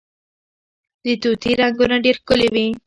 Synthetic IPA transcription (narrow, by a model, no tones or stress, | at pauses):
d̪ət̪ut̪iɾaŋɡunaɖeɾkʊlewi